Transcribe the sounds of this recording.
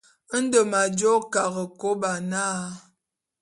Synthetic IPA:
n̩˦də˨ma˨d͡ʒɔ˦ka˨ɣə˨ko˦ba˨naː˦

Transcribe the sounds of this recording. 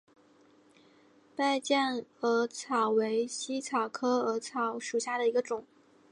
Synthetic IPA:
pa˥˧ɪt͡ɕjɛ˥˩nə˧˥t͡sʰɑ˨˩ʊwe˧˥ɪɕi˥t͡sʰɑ˨˩ʊkʰɤ˥ə˧˥t͡sʰɑ˧˥˦ʊʂu˨˩ɕja˥˩ɾə˩i˧˥ɡə˧ʈ͡ʂʊ˨˩˦ŋ

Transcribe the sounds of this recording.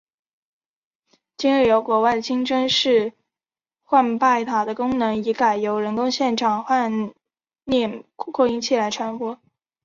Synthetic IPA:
t͡ɕi˥ŋɻi˥˩jo˧˥ʊkwɔ˧˥wa˥˩ɪd̪ə˩t͡ɕʰi˥ŋʈ͡ʂə˥nʂɻ̩˥˩ | xwa˥˧npa˥˩ɪt̪ʰa˨˩d̪ə˦kʊ˥ŋnɤ˧˥ŋi˧˥ka˨˩ɪjo˧˥ʊɻə˧˥nkʊ˥ŋɕjɛ˥˩nʈ͡ʂʰɑ˨˩ŋxwa˥˧n | nɛ˥˩kʰkʰɔ˥˧i˧˥ŋt͡ɕʰi˥˩la˧˥ɪʈ͡ʂʰwa˧˥nxwɔ˥

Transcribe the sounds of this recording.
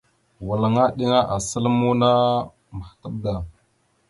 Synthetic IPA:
wa˨la˨ŋa˦ɗi˦ŋa˦ʔa˨sə˦lmu˦na˦ | mə˨xtə˦b̚da˨

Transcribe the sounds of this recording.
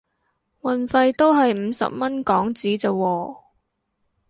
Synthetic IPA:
wɐ˨nfɐ˧jt̪o˥wɦɐ˨jm̩˨˧sɐ̰˨p̚mɐ˥nkɔː˨˥ŋt͡siː˨˥t͡sɐ˨˧wɔː˧

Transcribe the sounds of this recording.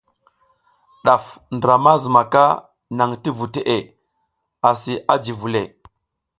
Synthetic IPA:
ɗa˨fndə˨ɾa˨ma˦zə˨ma˨ka˦ | na˨ŋti˦vu˨te˦ʔe˨ | a˨si˨ʔa˦d͡ʒi˨vu˨le˨

